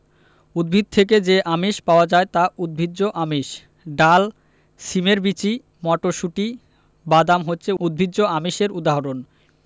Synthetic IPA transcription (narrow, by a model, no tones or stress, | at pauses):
ud̪̚bʱid̪̚t̪ʰek̬ed͡ʑeʔamiʃpaoad͡ʑaet̪aud̪̚bʱidd͡ʑoʔamiʃ | ɖal | ʃimeɾbit͡ɕi | mɔʈoʃuʈi | bad̪amɦotːɕʰeud̪̚bʱidːʑoamiʃeɾud̪aɦoɾon